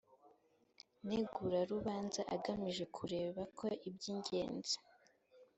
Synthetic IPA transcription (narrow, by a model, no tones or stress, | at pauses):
neɡuɾaɾuβaːnzaʔa̰ɡamiʒe̞kʰuɾe̞ːβakʰoʔibɟiːɲɟe̞̰ːnzi̥